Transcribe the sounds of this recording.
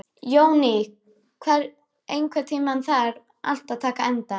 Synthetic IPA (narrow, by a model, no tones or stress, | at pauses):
joːwnɪ | kʰvɛɾ | ejnkʰvɛɾt̪ʰiːmanθaɾ | a̰l̥t̪aðt̪ʰaːkaɛnt̪a